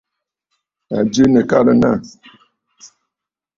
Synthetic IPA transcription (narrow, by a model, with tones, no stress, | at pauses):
a˨d͡ʒi˦nə˨ka˦lə˦na˦˨